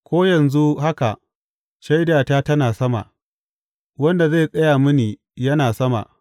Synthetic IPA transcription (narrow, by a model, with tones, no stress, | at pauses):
kʷoː˦jɐ˨nzu˦ha˦ka˨ʔ | ʃa˦jdaː˨taː˦tɐ˦naː˨sɐ˦ma̰˨ | wɐ˦nda˨ze˦˨sʼɐ˦jaː˨mʊ˦niː˨ | jɐ˦naː˨sɐ˦ma̰˨